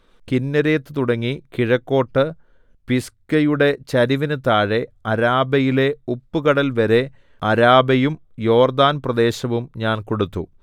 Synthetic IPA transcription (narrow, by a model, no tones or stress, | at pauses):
kinːɐɾe̞ːt̪ːɨt̪uɽɐŋːikiɻɐkːo̞ːʈːɨ | piskɐjuɽe̞t͡ɕɐɾiʋinɨt̪aːɻe̞ɐɾaːbɐjile̞upːukɐɽɐlʋɐɾe̞ | ɐɾaːbɐjum | jo̞ːrd̪aːnprɐd̪e̞ːɕɐʋumɲaːnkoɽut̪ːṵ